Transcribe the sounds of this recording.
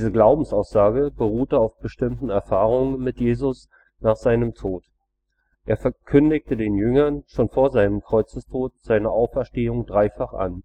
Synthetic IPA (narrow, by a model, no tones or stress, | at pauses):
dizəɡlaʊbm̩saʊsz̥aːɡəb̥əʁ̞uːtəaʊfb̥əʃtɪmtn̩ɛɐfaːʁʊŋənmɪtjeːzʊs | naːχz̥aɪnəmtʰoːt | ʔʔeːɐfɛɐkʰʏndɪktədeːnjʏŋɐnʃoːnfoːɐzaɪnəmkʁ̥ɔʏt͡səstʰoːt̚z̥aɪnəʔaʊfɛɐʃteːʊŋdʁaɪfaχʔa̰n